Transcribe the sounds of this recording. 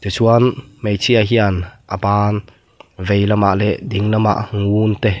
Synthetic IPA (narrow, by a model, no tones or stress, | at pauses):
t̪esuanmejt͡sʰiaɦianʔəbaːn | vejlɐma̰ʔlɛd̪iŋlɐma̰ʔŋunt̪e